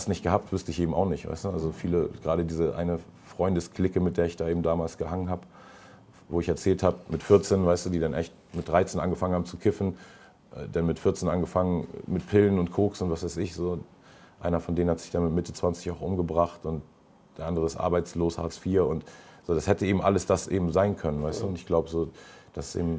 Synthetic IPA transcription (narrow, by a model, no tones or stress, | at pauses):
astnɪçtɡ̥əɦaːp̚tv̥ʊstəɪçʔeːbm̩aʊxnɪçtv̥a̰ɪstuʔa̰lzofiːləɡ̥ʁaːɾədiːzəʔa̰ɪnə | fʁ̥ɔʏndəskl̥ɪkəmɪt̚d̥eːɐɪçd̥aːeːbm̩daːmaːlsɡ̥əhaŋənɦaːb | voːɪçɛɐt͡sɛːlthaːbəmɪtfɪɐt͡seːnvaɪstd̥uːdiːdanʔɛçt | mɪt̚d̥ʁaɪt͡seːnʔa̰nɡəfaŋənhaːmət͡sukʰɪfn̩ | ʔɛ̰ːdanmɪtfɪɐt͡seːnʔanɡəfaŋənmɪt̚pʰɪlənʊntkʰoːksʊntv̥asv̥aɪsɪçz̥oː | ʔaɪnɐfɔndeːnənhatz̥ɪçd̥anmɪtmɪtət͡sv̥ant͡sɪçaʊxʔʊmɡəbʁaχtʊnt | d̥eːɐʔandəʁəɪstʔa̰ɐbaɪt͡sloːshaːsfiːɐʊntz̥oːdashɛtəʔeːbm̩ʔa̰ləsd̥asʔḛːbm̩zaɪnkʰœnənvaɪstuːʊntɪçɡ̥laʊbəzoːd̥assʔḛːbm̩